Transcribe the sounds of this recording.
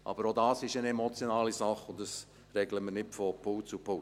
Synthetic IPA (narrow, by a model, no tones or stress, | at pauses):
ʔɑ̰b̥əɾodɑːsɪʃənemɔt͡sjonɑːlisɑχʊndɑs | rɛɡləmənɪtfɔpʰʊlt͡supʰʊ